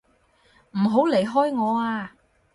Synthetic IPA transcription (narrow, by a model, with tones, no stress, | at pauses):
m̩˨˩ɦo˨˥wle˨˩jɦɔː˥jŋɔː˨˧aː˧